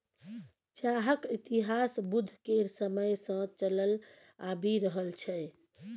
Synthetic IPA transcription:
t͡ʃaɦəkit̪iɦasbud̪ʱːkeɾsəməjsə̃t͡ʃələl | abiɾəɦəlt͡ʃʰɛ

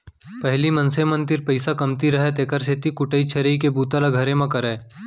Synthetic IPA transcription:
pɛɦlimɐnsemə̃nt̪ɪɾpɐɪsakɐmt̪iɾɐɦɛt̪eːkəɾseːt̪ikʊʈəit͡ʃʰɐɾikebuːt̪alaɡʱɐɾẽmãkɐɾeː

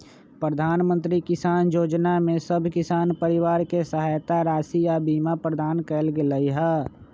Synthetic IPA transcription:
pɾəd̪ʱaːnmə̃nt̪ɾikɪsaːnjoːd͡ʒnamẽsəbʱkɪsaːnpəɾɪʋaːɾkesəɦaːjt̪aɾaːsijabiːmapɾəd̪aːnkɛlɡeləiɦɛː

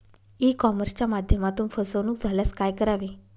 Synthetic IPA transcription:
ikɔməɾst͡ɕamad̪ʱjəmat̪uːnfəsəʋnuːkd͡zʱaljaskajkəɾaʋiː

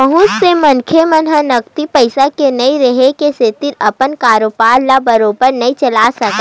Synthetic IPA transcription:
əɦʊ̃ssemɐnkʰemɐnɦənɐkt̪ipɐɪsakenɐĩɾɐɦekeset̪ɪɾɐpənkaːɾopaːlːabɐɾoːbəɾnɐɦĩt͡ʃɐlaːsɐk

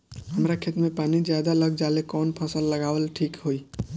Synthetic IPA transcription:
ɦəmɾakʰet̪mẽpaːnid͡ʒjad̪aləɡd͡ʒaːlekɔːnpʰəsəlːəɡaːwəlʈʰiːkɦoi

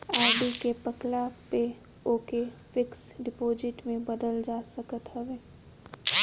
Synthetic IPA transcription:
aːɖikepəklape | oːkefɪksɖɪpoːzɪʈmẽbəd̪əld͡ʒaːsəkət̪ɦɐʋeː

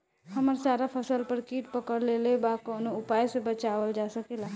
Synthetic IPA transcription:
hɐməɾsaːɾapʰɐsəlpɐɾkiːʈpɐkəɽleːlebakɔːnoʊpaːjsebɐt͡ʃaːʋəld͡ʒaːsɐkelaː

